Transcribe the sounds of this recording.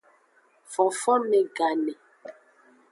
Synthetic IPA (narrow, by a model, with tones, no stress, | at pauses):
fɔ˨fɔ˦nɛ˨ɡa˨nɛ˨